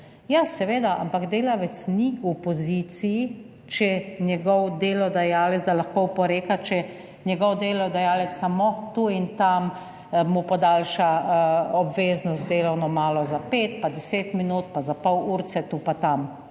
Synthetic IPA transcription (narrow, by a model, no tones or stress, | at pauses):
jasɛʋeːd̪aʔa̰mpakd̪eːlaʋɛt̪sniupɔziːt̪siji | t͡ʃɛnjɛɡɔwd̪eːlɔd̪ajaːlɛzd̪alaxkowpɔɾeːkat͡ʃɛ | nʲjɛɡɔwd̪eːlɔd̪ajaːlɛt̪ssamot̪uint̪am | mupɔd̪alʃaɔbʋeːznɔst̪̚d̪eːlawnɔmaːlɔzapeːt̪pad̪ɛseːt̪minut̪pazapɔwuːɾt̪sɛt̪upat̪am